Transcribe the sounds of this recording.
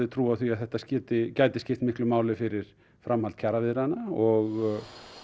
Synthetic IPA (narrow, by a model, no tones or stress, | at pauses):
ðɪt̪ʰɾuːaθviaðθɛht̪ascɪːt̪ɪcaːjt̪ɪ̥scɪft̪mɪhklʏmaːwlɪfɪɾɪɾ̥ | fɾʔamhalt̪̚cʰaɾavɪðɾanːaaɔɣ